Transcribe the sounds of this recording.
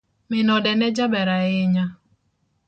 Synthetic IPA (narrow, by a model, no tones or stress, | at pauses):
mɪnɔdɛnɛd͡ʒabɛɾaɪɲa